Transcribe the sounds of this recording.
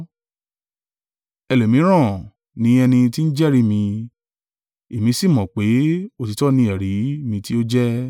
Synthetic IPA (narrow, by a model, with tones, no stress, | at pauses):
ɛ˧lo˨mĩ˨˦ɾ̃ã˦˨ | nĩ˨˦ɛ˧nĩ˧ti˦n̩˦d͡ʒɛ˦ɾi˦mĩ˧ | e˨mĩ˨˧si˦˨mɔ̃˨k͡pe˨˦o˦ti˨˧tɔ˦nĩ˧ɛ˨ɾi˨˦mĩ˧ti˦o˦d͡ʒɛ˦